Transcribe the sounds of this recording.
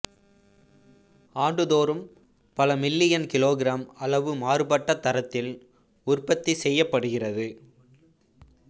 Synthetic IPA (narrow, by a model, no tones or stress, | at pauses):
aːɳɖɯðoːɾɯm | pɐlɐmɪlːɪjɐnkɪloːɣɪɾaːmɐlɐʋɯmaːɾɯpɐʈːɐt̪ːɐɾɐt̪ːɪl | ʊrpɐt̪ːisɛjːɐpːɐɽɯɣɪrɐðɯ